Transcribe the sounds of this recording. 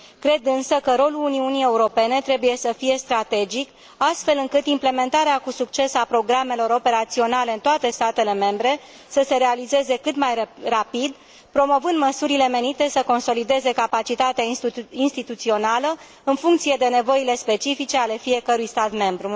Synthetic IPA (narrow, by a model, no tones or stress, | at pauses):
kɾe̞d̪ɨnsəkəɾo̞luluniunije̞uɾo̞pe̞ne̞t̪ɾe̞buje̞səfije̞st̪ɾat̪e̞d͡ʒik | ast̪fe̞lɨŋkɨt̪imple̞me̞nt̪aɾeakusuk̚t͡ʃe̞sapɾo̞ɡɾame̞lo̞ɾo̞pe̞ɾat̪sio̞nale̞ɨnt̪oat̪e̞st̪at̪e̞le̞me̞mbɾe̞ | səse̞ɾe̞alize̞ze̞kɨt̪majrapid̪ | pɾo̞mo̞vɨnd̪məsuɾile̞me̞nit̪e̞səko̞nso̞lid̪e̞ze̞kapat͡ʃit̪at̪eainst̪it̪ut̪sio̞nalə | ɨnfuŋkt̪sije̞d̪e̞ne̞vo̞ile̞spe̞t͡ʃifit͡ʃe̞ale̞fije̞kəɾujst̪at̪me̞mbɾu